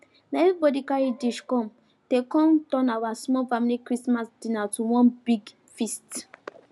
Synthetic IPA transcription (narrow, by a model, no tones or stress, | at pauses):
naɛvibɔdikaɹidiʃkɔ̃m | tekɔ̃ntɔ̃nawasmɔlfamilikɹismasdĩnatuwɔ̃nbiɡ | fist